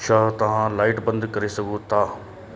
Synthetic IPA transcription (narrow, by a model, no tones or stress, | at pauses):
ʃaːɦt̪ɐɦãːlaːɪʈbə̃nd̪kɐɾesɐɡũt̪aː